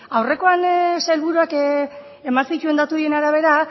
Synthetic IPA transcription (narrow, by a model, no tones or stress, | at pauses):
awre̞ko̞anselβuɾuak | emasit͡ʃue̞nd̪at̪uðienaɾaβ̞e̞ɾa